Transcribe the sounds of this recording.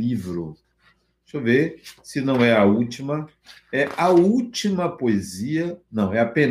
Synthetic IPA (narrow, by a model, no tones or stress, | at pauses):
ivɾʊ | sovesɪnɐ̃w̃ɛɐut͡ʃimɐ | ɛʔɐut͡ʃimɐpoeziɐnɐ̃w̃ɛapẽn